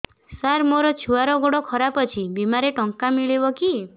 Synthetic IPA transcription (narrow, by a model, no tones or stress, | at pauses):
saɾmoɾɔt͡ʃʰuaɾɔɡoɽɔkʰɔɾapɔt͡ʃʰibimaɾeʈɔŋkamiɭibɔki